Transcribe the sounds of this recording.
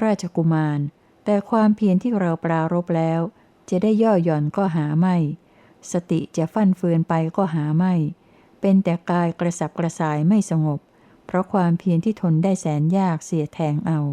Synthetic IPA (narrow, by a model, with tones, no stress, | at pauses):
ɾaː˥˩t͡ɕʰa˧ku˧˩maː˧n | t̪ɛː˨˩kʰwaː˧mpʰi˧ənt̪ʰiː˥˩ɾa˧wplaː˧ɾo˦˥p̚lɛː˦˥w | t͡ɕa˨˩daː˥˩jːɔː˥˩jɔ˨˩nkɔː˥˩ɦaː˩˦ma˥˩j | sa˧t̪i˨˩t͡ɕa˨˩fa˥˩nfɯː˧ənpa˧jkɔː˥˩ɦaː˩˦ma˥˩j | pe˧nt̪ɛː˨˩kaː˧jkɾa˧sa˨˩p̚kɾa˧saː˨˩jma˥˩jsa˧ŋo˨˩pʰ | ɾɔ˦˥kʰwaː˧mpʰi˧nt̪ʰiː˥˩t̪ʰo˧ndaː˥˩jsɛː˩˦njaː˥˩k̚si˨˩˦ət̪ʰɛː˧ŋʔa˧w